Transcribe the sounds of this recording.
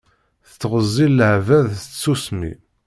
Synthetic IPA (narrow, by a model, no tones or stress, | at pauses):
θt͡sːʁəzˤːilːəʕvæðt͡ssusmḭ